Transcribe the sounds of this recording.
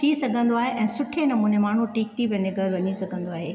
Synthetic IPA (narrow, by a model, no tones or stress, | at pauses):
t̪ʰisɐɡʱə̃nd̪oaːɦeʔɛ̃ːsʊʈʰenɐmuːnemaːɳ̤uʈiːk̚t̪ʰiʋɛ̃ːn̆d̪eɡʱɐɾʋɐɲisɐɡʱə̃nd̪oaːɦeː